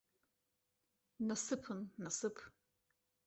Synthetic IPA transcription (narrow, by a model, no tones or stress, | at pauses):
nɐsɨpʰɨnnɐsɨpʰ